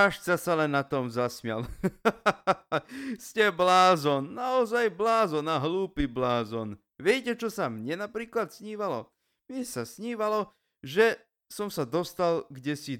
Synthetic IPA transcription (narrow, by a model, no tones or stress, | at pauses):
aʃt͡sasalɛnːat̪ɔmzasmɪa̰l | scɛblaːzɔnːaɔzajblaːzɔnaɦluːpiblaːzɔn | ʋɪɛcɛt͡ʃɔsamɲɛnapɾiːklat̪sɲiːʋalɔ | mɲɛsasɲiːʋalɔ | ʒɛ | sɔmsad̪ɔst̪alɡɟɛsi